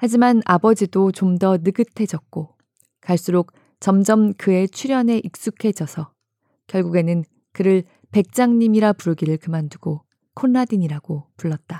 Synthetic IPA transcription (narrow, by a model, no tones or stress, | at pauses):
had͡ʑimanabʌd͡ʑidot͡ɕomdʌnɯɡɯtʰe̞d͡ʑʌk̚k͈o | kaɭs͈uɾok̚ | t͡ɕʌmd͡ʑʌmkɯe̞t͡ɕʰiɾjʌne̞ʔik̚s͈ukʰe̞d͡ʑʌsʰʌ | kjʌɭɡuɡe̞nɯn | kɯɾɯɭ | pe̞k̚t͡ɕ͈aŋɲimiɾapuɾɯɡiɾɯɭkɯmanduɡ̥o | kʰonːadiɲiɾaɡ̥opuɭːʌt̚t͈a